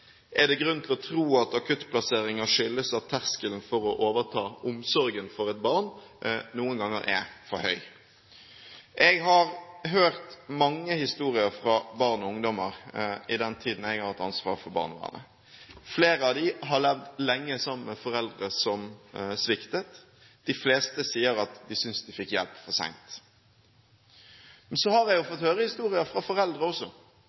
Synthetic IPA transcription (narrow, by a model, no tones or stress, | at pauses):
ʔɛd̪ɛɡɾʉnt̪ʰɪlɔt̪ʰɾuːɑt̪ɑkʰʉt̪ːpʰlɑseːɾɪŋɑʂʏlːəsɑt̪ʰːæʁskəlnfɔɾɔʔoːʋəʁt̪ʰɑːʊmsɔɾɡənfɔɾɛt̪̚bɑʁnnuːənɡɑŋːə̰ɾʔɛ̰fɔɾhœ̰ʏ | ʔɛɡɦɑɾɦøːʁt̪mɑŋːəhɪst̪uːʁɪəɾfɾɑbɑʁnɔʊŋd̪ɔməɾɪd̪ɛnt̪ʰiːd̪n̩ɛɡɑɾt̪ɑnsʋɑ̰ːɾfɔɾbɑ̰ːʁnəʋæ̰ːʁnə̰ | fleːɾəɑʋd̪ɪɦɑlɛʋd̪lɛŋːəsɑmmːəfɔɾɛld̪ʁəsɔmsʋɪkt̪ət̪ | d̪̥ɪfleːst̪əsiːəɾɑt̪d̪ɪsʏnsd̪ɪfɪkːjɛlpfɔsæ̰ŋnt̪ | mɛnsɔhɑɾɛɡjʊfɔt̪høːɾəhɪst̪uːʁɪəfʁɑfɔɾɛld̪ɾəɔsːɔ